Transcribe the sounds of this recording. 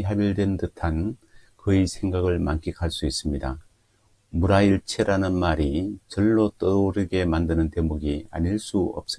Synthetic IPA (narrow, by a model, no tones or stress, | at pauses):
ɦabiɭdwe̞ntɯtʰankɯisʰe̞ŋɡaɡɯɭmank͈ʰikʰaɭs͈uis͈ɯmɲida | muɾaiɭt͡ɕʰeɾanɯnmaɾit͡ɕʌɭːot͈ʌɾoɾɯɡe̞mandɯnɯnte̞muɡia̰ɲiɭs͈uʌ̰p̚s͈ɯ